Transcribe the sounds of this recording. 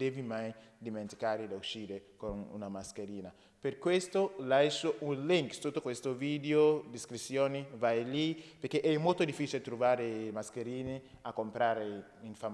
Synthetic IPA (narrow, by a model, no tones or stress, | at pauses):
d̪evimajd̪iment̪i̥kaɾed̪auʃiːɾekonṵnamaskeɾiːna | peɾkwest̪olajʃoʔunliŋkt̪ut̪ːokwest̪ovid̪eod̪iskɾit̪sːjoːnivajlipeɾkeʔɛmolt̪od̪ifːit͡ʃilet̪ɾuvaɾemaskeɾiːneakːompɾaɾe | iɱfa